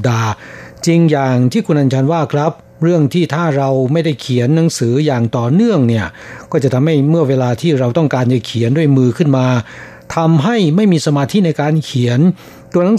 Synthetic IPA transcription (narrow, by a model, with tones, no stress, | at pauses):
daː˧t͡ɕi˧ŋjaː˨˩ŋt̪ʰiː˥˩kʰu˧nʔaː˧nt͡ɕʰaː˧nwaː˥˩kʰɾa˦˥p̚ | ɾɯ˥˩əŋt̪ʰiː˥˩t̪ʰaː˥˩ɾa˧wma˥˩jda˥˩jkʰi˨˩˦ənːa˩˦ŋsɯː˩˦jaː˨˩ŋt̪ɔː˨˩nɯ˥˩əŋni˥˩ɐ | kɔː˥˩t͡ɕa˨˩t̪ʰa˧mha˥˩jmɯ˥˩ɐweː˧laː˧t̪ʰiː˥˩ɾa˧wt̪ɔ˥˩ŋkaː˧nt͡ɕa˨˩kʰi˩˦əndu˥˩əjmɯː˧kʰɯ˥˩nmaː˧ | t̪ʰa˧mɦa˥˩jma˥˩jmiː˧sa˧maː˧t̪ʰiː˥˨na˧jkaː˧nkʰi˨˩˦ən | t̪u˧əna˨˦ŋ